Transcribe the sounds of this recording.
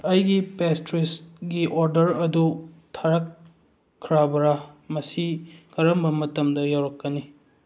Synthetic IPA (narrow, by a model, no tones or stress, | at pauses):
ɐjɡipestɾisɡiʔoɾdɐɾɐdu | tʰaɾɐkʰː | ɾabɐɾamɐsiɡɐɾɐmbɐmɐtɐmdɐjawɾɐkːɐni